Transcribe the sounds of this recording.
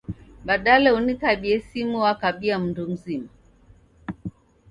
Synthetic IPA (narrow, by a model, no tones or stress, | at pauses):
ɓaɗalɛunikaɓiɛsimuwakaɓiam̩ndum̩zima